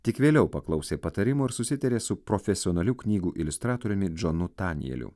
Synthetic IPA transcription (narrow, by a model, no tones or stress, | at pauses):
t̪ʲɪkʋʲeːlʲɛʊpɐklˠɐʊsʲeːpɐt̪ɐɾʲɪmoːɪɾsʊsʲɪt̪ɐɾʲeːsʊpɾofʲɛsʲɪoːnɐlʲuːknʲiːɡuːʔɪlʲʊst̪ɾɑːt̪oːɾʲʊmʲɪd͡ʒonʊt̪ɑːnʲɪ̰jɛ̰lʲṵ